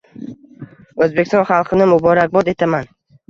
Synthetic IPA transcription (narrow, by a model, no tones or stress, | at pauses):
ɵzbekʲɪst̪ɒ̃nχɑlˠqʰɨnɪmʊbɒɾak̚bɒd̪e̞t̪ʰaman